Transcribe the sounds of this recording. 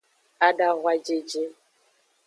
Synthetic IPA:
a˦da˦ɣʷwa˦d͡ʒe˨d͡ʒe˦

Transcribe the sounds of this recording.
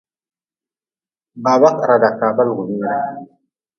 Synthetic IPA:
ba˨ba˦kʼɾa˨da˨ka˨ba˦lɡu˨miː˦ɾa˦˨

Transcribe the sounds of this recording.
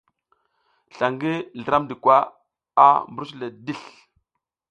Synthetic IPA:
ɬa˨ŋɡi˦ɮə˨ɾa˦mdi˨kwa˦ | a˦mbu˨ɾu˦sla˨di˦˨ɬ

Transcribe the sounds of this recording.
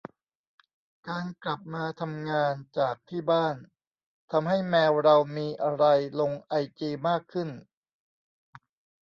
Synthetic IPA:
kaː˧nkla˨˩p̚maː˧t̪ʰa˧mŋaː˧nt͡ɕaː˨˩k̚t̪ʰiː˥˩baː˥˩n | t̪ʰa˧mɦa˥˩jmɛː˧wɾa˧wmiː˧ʔa˧ɾa˧jlo˧ŋʔa˧jt͡ɕiː˧maː˥˩kʰːɯ˥˩n

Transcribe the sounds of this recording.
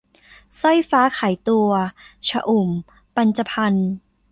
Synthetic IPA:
sɔ˥˩jfaː˦˥kʰaː˩˦jt̪u˧ɐt͡ɕʰa˧ʔu˨˩m | pa˧nt͡ɕa˧pʰa˧n

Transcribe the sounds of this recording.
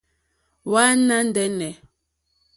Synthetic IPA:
wa˦na˦n˦dɛ˦nɛ˨

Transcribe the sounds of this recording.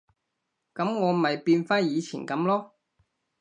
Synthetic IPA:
kɐ˨˥mŋɔː˨˧mɐ˨jpiː˧nfaː˥njiː˨˧t͡sʰḭː˨˩nkɐ˨˥mlɔː˥

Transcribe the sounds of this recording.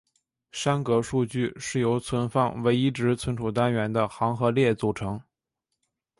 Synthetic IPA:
ʂa˥nkɤ˧˥ʂu˥˧t͡ɕy˥˩ʂɻ̩˥˩jo˧˥ʊt͡sʰwə˧˥nfɑ˥˩ŋwe˧˥ɪi˥ʈ͡ʂɻ̩˧˥t͡sʰwə˧˥nʈ͡ʂʰu˨˩t̪a˥nɥɛ˧˥nd̪ə˧xɑ˧˥ŋxɤ˧˥ljɛ˥˩t͡su˨˩ʈ͡ʂʰɤ˧˥ŋ

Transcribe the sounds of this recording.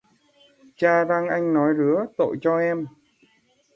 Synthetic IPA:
t͡ɕaː˧ɗaː˧ŋʔa˧jŋ̟nɔ˨˦jzɨ˨˦ət̪o̰˧˨jt͡ɕɔ˧ʔɛ˧m

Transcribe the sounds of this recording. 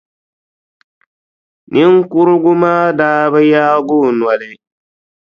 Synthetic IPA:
ni˦ŋ˦kʊ˦ɾʊ˦ɡʊ˦maː˦daː˦ba˦jaː˦ɡʊː˦˨nwa˨lɪ˨

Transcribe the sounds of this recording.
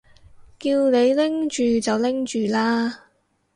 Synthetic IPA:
kiː˧wne˨˧jlɪ˥ŋt͡ʃyː˨t͡sɐ˨wlɪ˥ŋt͡ʃyː˨laː˥

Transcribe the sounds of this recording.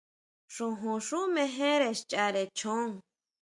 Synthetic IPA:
ʂũ˧ɦũ˨˧ʂu˦mẽ˧ɦẽ˦ɾe˨ʃt͡ʃa˧ɾe˨t͡ʃʰõ˦ŋ

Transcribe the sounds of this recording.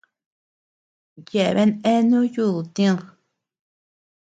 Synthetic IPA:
je˧˨βe˦nẽ˦nũ˦ju˦˨ðu˨t̪ĩ˦˧

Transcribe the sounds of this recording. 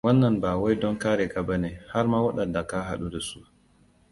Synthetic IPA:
wɐ˦nːɐ˨nbaː˨wa˦jdɔ˦ŋkaː˦ɾɛ˨ɡa˦ba˦neː˨ha˦ɾma˦wa˦ɗɐ˨nda˨kaː˦ɦa̰˨ɗu˦da˨su˦

